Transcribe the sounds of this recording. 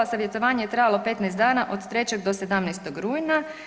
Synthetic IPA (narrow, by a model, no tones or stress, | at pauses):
asaʋjet̪oʋaːɲejet̪ɾaːjalˠo̞pe̞t̪nɛjst̪d̪aːnaʔo̞d̪t̪ɾe̞t͡ɕeɡd̪o̞se̞d̪amnɛst̪oɡɾuːjna